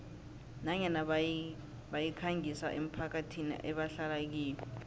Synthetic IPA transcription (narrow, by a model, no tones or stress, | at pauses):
naɲɛna | ɓajikʰaŋʱisa̰ʔem̩pʰak̬atʰinḭʔɛɓaɬalak̬iːlɛ